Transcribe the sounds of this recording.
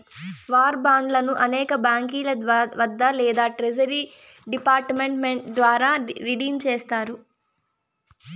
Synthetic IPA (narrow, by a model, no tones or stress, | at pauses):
ʋaːɾbaːɳɖlɐnuʔɐnɛːkɐbaːŋkiːlɐʋɐd̪ːɐlɛːd̪aːʈɾed͡ʒɐɾiː | ɖipaːɾʈmeɳmeɳʈ̚d̪ʋaːɾaːɾiɖiːmt͡ʃeːst̪aːɾu